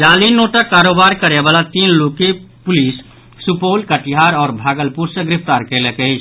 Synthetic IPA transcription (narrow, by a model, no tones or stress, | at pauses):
d͡ʒalinoʈakaɾobaɾkəɾebalat̪inlokepʊlisː | upolkəʈiɦaɾɔːɾbʱaɡəlpuɾsəɡɾipʰt̪aɾkɛlekəɪt͡ʃʰ